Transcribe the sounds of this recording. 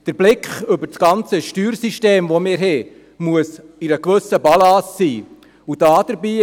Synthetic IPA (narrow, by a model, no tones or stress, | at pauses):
d̥əɾb̥lɪkχɵbəɾt͡sɡ̥ɑnt͡səʃtyːɾsiʃteːmʋomɪːɾɦɛ | muəsiɾəkʋɵsəbɑlɑːsːiː | ud̥ɑːd̥əɾbiː